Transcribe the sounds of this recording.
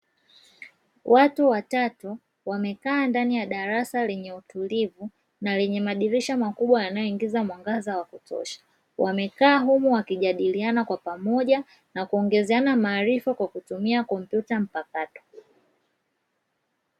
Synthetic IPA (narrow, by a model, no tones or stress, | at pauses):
wʔatuwatatu | wamɛkaːndanijaɗaɾasalɛɲɛutulivu | nalɛɲɛmaɗiɾiʃamakuɓwajanajɔiŋɡizamwaŋɡazawakutɔ̰ʃḁ | wʔa̰mɛkaːɦumuwakiʄaɗilianakwapamɔʄa | nakuɔŋɡɛzanamaːɾifakwakutumiakɔm̩pjutam̩pakatɔ̥